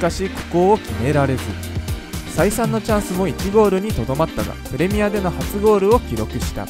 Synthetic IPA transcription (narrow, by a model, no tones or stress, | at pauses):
kaɕiːkɯ̟̥ko̞ːokʲime̞ɾaɾe̞zɨ | saisãnːo̞t͡ɕãɰ̃sɨmo̞ikʲiɡo̞ːɾɯ̟ɲ̟it̪o̞d̪o̞mat̪ːaɡa̰pɯ̟ɾe̞mʲijad̪e̞no̞hat͡sɨɡo̞ːɾɯ̟o̞kʲiɾo̞kɯ̟ɕi̥t̪a̰